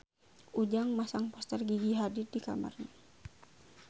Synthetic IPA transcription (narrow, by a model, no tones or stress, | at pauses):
ʔud͡ʒaŋmasaŋpɔst̪ərɡiɡiɦadit̚dika̰ma̰rna